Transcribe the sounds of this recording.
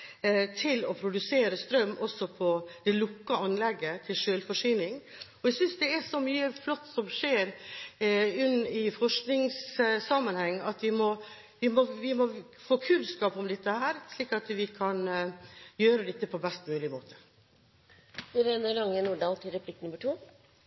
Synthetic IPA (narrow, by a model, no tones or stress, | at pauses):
t̪ʰɪlɔpʰɾʊd̪ʉseːɾəst̪ɾœmːɔsɔpʰɔd̪̥ɛlʊkːəɑnlɛɡːət̪ʰɪlʂøːlfɔʂyːnɪŋɔɛsʏnsd̪ɛæʂɔmyːəflɔt̪ːsɔmʂeːɾ | ʉnːɪfɔʂknɪŋssɑmːənhɛŋːɑt̪ʋɪmɔ | ʋɪmɔʋɪmɔ | foːkʰʉnskɑːpɔmd̪ɛt̪ːəhæːɾʂliːkɑt̪ʋɪkʰɑn | jøːɾəd̪ɛt̪ːəpʰɔbɛst̪mʉːlɪmoːt̪ʰə̥ | d̪ɪɾɛnəɭɑŋːənuːɖɑːlt̪ʰɪlɾɛpʰlɪkːnʉmːəʈʰuː